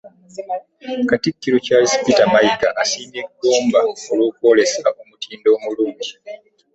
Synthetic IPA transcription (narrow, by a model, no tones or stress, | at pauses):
katikːiɾocalispitamaikaʔasiːneɡo̞ːmbaolwoːkwo̞ːle̞saʔomutiːndo̞ːmuluːɲɟi